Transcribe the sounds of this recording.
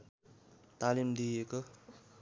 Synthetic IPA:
t̪alimd̪ijeko

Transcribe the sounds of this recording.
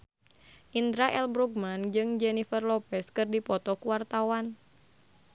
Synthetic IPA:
ʔind̪ɾaʔɛlbɾuɡ̚mand͡ʒɨŋd͡ʒɛnifərlɔpɛskɨrdipɔt̪ɔkuwart̪awan

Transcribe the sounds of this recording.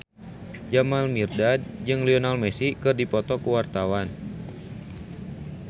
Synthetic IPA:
d͡ʒamalmirdad̚d͡ʒɨŋlionalmɛsikɨrdipɔt̪ɔkuwart̪awan

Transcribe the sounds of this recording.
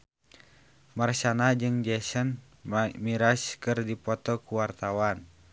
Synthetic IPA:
marsanad͡ʒɨŋd͡ʒɛsən | miɾaskɨrdipɔt̪ɔkuwart̪awan

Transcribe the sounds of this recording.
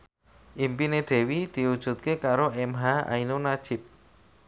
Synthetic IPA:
ʔimpineɖ̪̥e̤wid̪̥i̤wud̥ʒ̥ṳt̪̚kekaɾoʔɛmɦaa̰inonad̥ʒ̥ɪ̤p̚

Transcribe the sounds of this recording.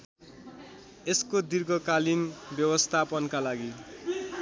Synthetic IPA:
eskod̪irɡʌkalinbjʌwʌst̪ʰapʌnkalaɡi

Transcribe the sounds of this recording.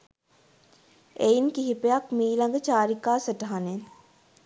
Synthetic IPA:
eːinkiɦipejakmiːlɐŋɡt͡ʃaːɾikaːsɐʈaːnen

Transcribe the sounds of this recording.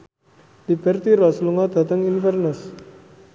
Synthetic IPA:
d̪ibərt̪iɾasuluŋad̪̥a̤t̪əŋinfərnəs

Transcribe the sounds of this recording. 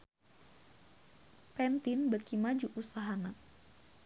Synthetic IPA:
pɛnt̪inbərkimad͡ʒuʔusaɦana

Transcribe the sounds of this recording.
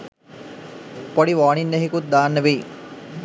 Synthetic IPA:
poɽiʋaːɳinːeɦikut̪̚d̪aːnːəʋeː

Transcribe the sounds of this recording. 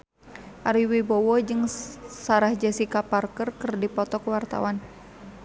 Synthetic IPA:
ʔaɾiwibɔwɔd͡ʒɨŋsaɾahd͡ʒasikaparkərkɨrdipɔt̪ɔkwart̪a̰wan

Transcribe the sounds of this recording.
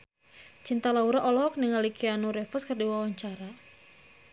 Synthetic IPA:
t͡ʃint̪alauɾaʔɔlɔk̚niŋalikianuɾɛfɔskɨrdiwawaɲt͡ʃaɾa

